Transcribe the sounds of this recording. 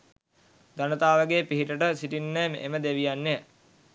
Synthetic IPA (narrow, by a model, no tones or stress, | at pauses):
d̪anət̪aːʋəɡeːpiɦiʈəʈəsiʈinːəmʔeməd̪eʋijanːe